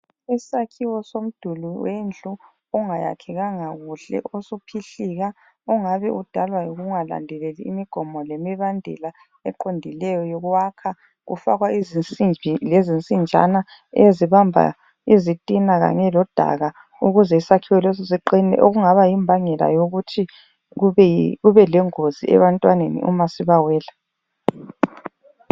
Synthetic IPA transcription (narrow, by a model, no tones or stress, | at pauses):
isakʰiwɔsom̩d̥ʱuluwend͡ɮʱʼu | ɔŋaja̰kʰɛɣaŋaɣuɬɛ̰ʔosupʰiɬiɣa | ɔŋaβɛʔud̥ʱalwajoɣuuŋala̰ndʱɛlelḭːmiɡ̥ʱɔmɔlemiβandʱɛ̰la | ɛ̰ǃondʱilɛjɔjoɣuwakʰa | ɣṵfaɣwaiziilezint͡sʼind͡ʒʱa̰na | eziβambʱa̰ | izitʼinaɣa̰ɲɛlɔd̥ʱa̰ɣa | uɣuzɛisakʰiwɛlesɔsiǃinɛ̰ʔoɣuŋaβajimbʱaŋɛla̰joɣutʰi | ɣuβɛlɛŋoziɛ̰βantʼwanenḭʔṵmasiβawɛːla